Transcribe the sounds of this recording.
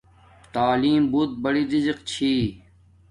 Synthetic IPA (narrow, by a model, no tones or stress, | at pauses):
t̪aːliːmbuːt̪̚bɐɽiːɾɪzqt͡ɕʰiː